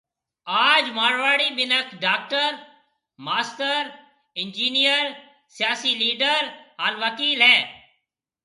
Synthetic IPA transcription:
aːd͡ʒmaːɽʋaːɽiːɓɪnəkʰɖaːk̚ʈəɾ | maːsʈəɾ | ɪnd͡ʒiːnijəɾ | sɪjaːsiːliːɖəɾaɾʋəkiːlɦɛː

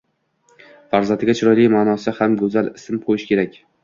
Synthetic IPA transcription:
faɾzant̪ɪɡʲat͡ʃʰɪɾɒjlɪmaːnɒsɪhamɡɵzalɪsɪmqʰojɪʃkʲe̞ɾakʲ

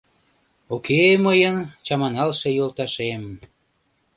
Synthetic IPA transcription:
okʰeməjənt͡ɕɑmɑnɑlʃejolt̪ɑʃem

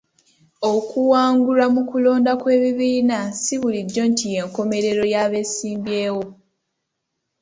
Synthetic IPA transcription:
o̞kuwaːŋɡulamukulo̞ːndakwe̞ːβiβiːnasiβuliɟːo̞ntije̞ːŋko̞me̞ɾe̞ɾo̞jaβe̞ːsiːmbje̞ːwo̞

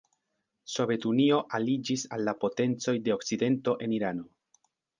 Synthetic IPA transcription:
so̞ve̞tunio̞ʔalid͡ʒisalːapo̞te̞nt͡so̞jde̞okt͡side̞nto̞ʔe̞niɾano̞

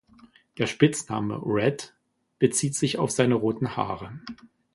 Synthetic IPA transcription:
d̥eːɐʃpɪt͡snaːmə̰ʁɛt | b̥ət͡siːtz̥ɪçaʊfz̥aɪnəʁoːtn̩ha̰ːʁə

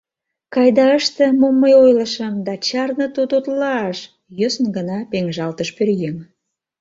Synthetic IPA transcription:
kɑjd̪ɑəʃt̪ĕmomːəjojləʃəmd̪ɑt͡ɕɑrnə̆t̪ot̪ot̪lɑɑʃ | jøsənɡənɑpeŋʒɑlt̪əʃpørjeŋ

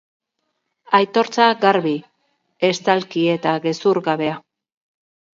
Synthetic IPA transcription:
ajt̪o̞ɾt͡saɡaɾβi | e̞st̪alkie̞t̪aɣe̞suɾɣaβe̞a

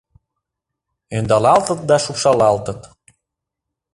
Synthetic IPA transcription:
ønd̪ɑlɑlt̪ət̪̚d̪ɑʃupʃɑlɑlt̪ət̪

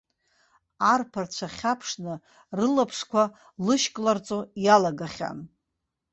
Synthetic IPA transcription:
arpʰart͡ɕʷʰaχʲapʰʂnɨ | rɨlapʰʂkʷʰa | lɨʃkʼlart͡sʼojalaɡaχʲa̰n

